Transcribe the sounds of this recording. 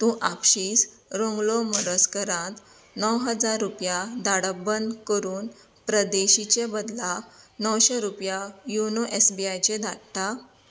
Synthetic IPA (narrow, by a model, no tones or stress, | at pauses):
t̪ũʔapɕiːs | ɾõŋɡloməɾəskəɾãt̪ | nəwɦəd͡zaɾːupjad̪aɽəbənd̪kəɾuːn | pɾəd̪eɕit͡ɕebəd̪lanəwɕeɾupjajunoʔesbiajt͡ɕed̪ʱak̚ʈa